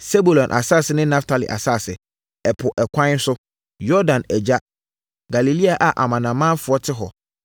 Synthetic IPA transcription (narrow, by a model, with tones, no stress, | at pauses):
se˦bu˨lɔ̃˨nʔa̰˨sa˦˨sɪ˨nɪ̃˦nã˦ftʰa˨lḭ˨ʔa̰˨sa˦˨sɪ˨ | ɛ˨pʰʊ˨ʔɛ˨kʷʰã˦n˦n̩˦sʊ˦ | jɔ˦dã˨nɛ˨d͡ʑa˦ | ɡa˨li˨li˦a˨ʔa˨ʔa˨mã˨nã˨mã˦nfʊ˨˦ɔ˦tʰɪ˦ɦɔ̰˨